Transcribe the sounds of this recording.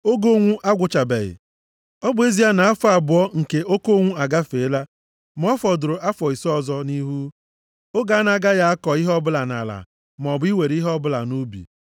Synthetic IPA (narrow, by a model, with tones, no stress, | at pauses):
o˦ɡo˦ŋʷu˦ʔa˦ɡʷʊ˨t͡ʃa˨bḛ˨ɣɪ̰˨ | ɔ˦bʊ˦e˦zi˦a˦na˨a˦fɔ˦a˨bʊ˨˦ɔ˦ŋ̩˨ke˨o˦ko˦ŋʷu˦a˨ɡa˦fe˨˦la˦ | m˦ɔ˦fɔ˨dʊ˨ɾʊ˨ʔa˦fɔ˨i˨sɔ˦˨zɔ˦ni˦ɦu˦ | o˦ɡa˨a˦na˨ɡa˦ja˦a˦kɔ˨i˦ɦɔ˦bʊ˦la˨na̰˨la̰˨ | m˨ɔ˨bʊ˦i˦we˨ɾi˦ɦɔ˦bʊ˦la̰˨nu˦bḭ˨